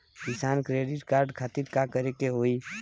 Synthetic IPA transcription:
kɪsaːnkɾeːɖɪʈkaːɾɖkʰaːt̪iɾkakəɾekeɦoːi

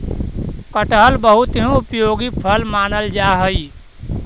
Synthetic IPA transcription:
kəʈɦəlbəɦut̪ɦũupjoɡipʰəlmaːnəld͡ʒaɦəj

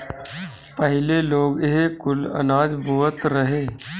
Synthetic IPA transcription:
pəɦɪleloːɡeɦkʊlɐ̰naːd͡ʒbʱuːət̪ɾəɦeː

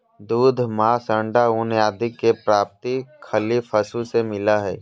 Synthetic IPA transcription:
d̪uːd̪ʱmaːsə̃ɳɖaunjaːd̪ɪkːepɾaːp̚t̪ikʰəlifʰɐsusemɪlaɦɛː

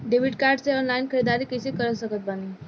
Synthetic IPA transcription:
ɖeʋiɖkaɾɖt͡seɔnlainkʰəɾid̪aɾiːkəsekəɾəsəkət̪̚bani

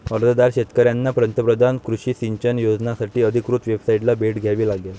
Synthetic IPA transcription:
əɾd̪əd̪aɾɕet̪kəɾjanːapɾənt̪əpɾəd̪ʱankɾuɕiːsiɲt͡ɕənjod͡znasaʈiːəd̪ʱikɾut̪ʋebsaiʈlabʱeʈɡʱjaʋiːlaɡja

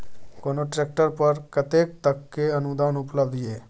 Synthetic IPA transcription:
koːnoʈɾeːk̚ʈəɾpɐɾkɐt̪eːk̚t̪ɐkːeɐnud̪aːnʊpləbd̪eː

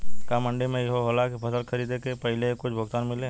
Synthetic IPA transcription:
kamə̃ɳɖemẽjɦoɦolakpʰɐsəlkʰɐɾiːd̪ẽkepɐɦɪlekʊt͡ʃʰbʱʊɡt̪aːnmɪlẽː

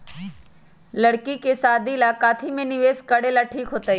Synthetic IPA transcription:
ləɽkikesaːd̪ilaːkaːt̪ʰimẽnɪʋeːskəɽelaʈʰiːkɦoːt̪aːi

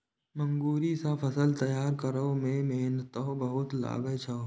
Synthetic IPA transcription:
mə̃ŋɡuːɾisapʰɐsəlt̪ɐjaːɾkəɾəmẽmeɦnət̪obəɦʊt̪la̰ːɡət͡ʃʰa

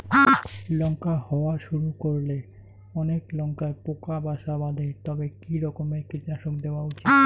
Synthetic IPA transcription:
lɔŋkahɔoaʃuɾukoɾle | ɔneklɔŋkaepokabaʃabad̪ʱet̪ɔbekiɾɔkomeɾkit̪naʃokd̪eoaut͡ɕit̪

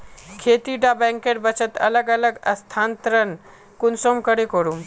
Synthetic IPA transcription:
kʰet̪iɖabɛ̃ŋkeʈbət͡ʃət̪ɐ̰ləɡələɡəst̪ʰant̪ɾən | kunsomkəɽekoɾum

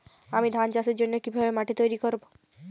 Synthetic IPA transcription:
amid̪ʱand͡ʒasiɾd͡ʒonjokibʱabemaʈit̪ojɾikɔɾbo

